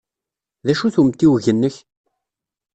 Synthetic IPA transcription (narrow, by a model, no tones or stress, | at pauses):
ðæʃuθumt̪ːiwʝənːəç